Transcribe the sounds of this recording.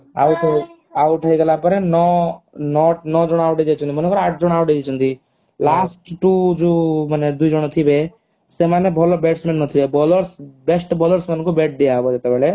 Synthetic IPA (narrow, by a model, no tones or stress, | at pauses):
a̰wt̪ɔ | auʈʰəiɡəlapəɾenɔnɔʈnɔd͡ʒɔɽ̃awʈed͡ʒet͡ʃʰɔnt̪imənkɔɾaʈ̚ʰd͡ʒɔɽ̃awʈed͡ʒet͡ʃʰɔnt̪i | lasʈʈud͡ʒomaned̪uid͡ʒɔɽ̃ɔt̪ʰibe | semanebʱɔlɔbeʈsmenːɔt̪ʰibebɔlɔɾsbesʈbɔləɾsmenkubeʈ̚ʰd̪eaɦbɔd͡ʒet̪ebɛɭe